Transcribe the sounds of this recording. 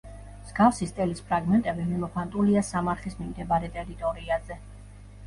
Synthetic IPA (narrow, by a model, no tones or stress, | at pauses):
mz̥ɡafsist̪ʼɛlispʰɾaɡmɛnt̪ʼɛbimimɔpʰant̪ʼuliasamaɾχismimd̪ɛbaɾɛt̪ʼɛɾit̪ʼɔɾiazɛ